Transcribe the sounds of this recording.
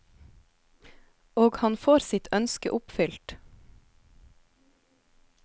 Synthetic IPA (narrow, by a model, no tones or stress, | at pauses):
oːɡhɑnfoːɾsɪt̪ʰœnskə̰ʔʊpfʏlt̪